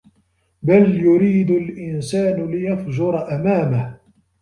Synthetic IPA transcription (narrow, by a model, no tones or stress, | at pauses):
baljʊɾiːd̪ʊlʔɪnsaːnʊlɪjafd͡ʒʊɾˤɑʔamaːmah